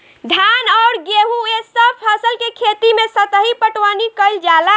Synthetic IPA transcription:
d̪ʱanɔːɾɡeɦuesəb̚pʰəsəlkekʰet̪imẽsət̪əɦipəʈwanikəɪld͡ʒala

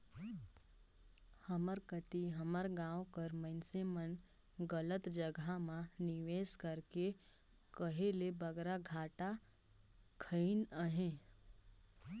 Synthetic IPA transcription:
həməɾkət̪iɦəməɾɡãːwkəɾməɪnsemən | ɡələt̪d͡ʒəɡʱamãnɪʋeːskəɾke | kəɦelebəɡɾaɡʱaːʈa | kʰəɪnəɦẽː

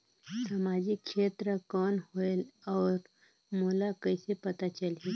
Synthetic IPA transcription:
sɐmaːd͡ʒɪkʃeːt̪ɾəkɔːnhoelɔːɾ | moːlakɐɪsepɐt̪at͡ʃɐli

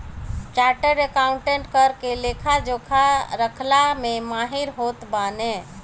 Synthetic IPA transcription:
t͡ʃaːɾʈəɾekaːʊɳʈẽɳʈkəɾkeleːkʰad͡ʒokʰaɾəkʰlamẽmaːɦiɾɦoːt̪baːnẽ

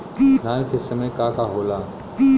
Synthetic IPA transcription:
naːnkʰeːsɐmẽkaːkaɦoːlaː

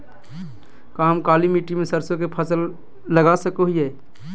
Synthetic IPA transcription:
kaːmkaːlimiːʈimẽsəɾsõk̬epʰəsəlː | əɡasəkoɦiɛː

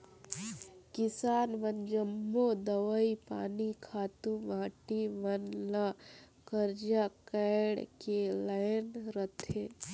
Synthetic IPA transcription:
kɪsaːnʋənd͡ʒəmːod̪əʋəipa̰ːnikʰaːt̪ũʋãːʈiʋənla | kəɾd͡ʒakəɽkelaɪnɾət̪ʰeː

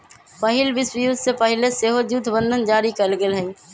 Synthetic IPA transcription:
pəɦɪlbɪswjud̪sepəɦɪleseːɦod͡ʒut̪ʰbə̃nd̪ʱənd͡ʒaːɾikəlɡɪlɦɛ̃

